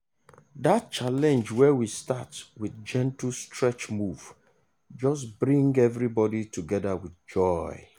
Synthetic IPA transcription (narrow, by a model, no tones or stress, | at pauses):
dat̚t͡ʃalɛ̃nd͡ʒwɛwistatwiθd͡ʒɛ̃ntl̩stʰɹɛt͡ʃmuv̥ | d͡ʒɔs̬bɹĩŋɡɛvɹibɔditʰuɡɛðawiθd͡ʒɔɪ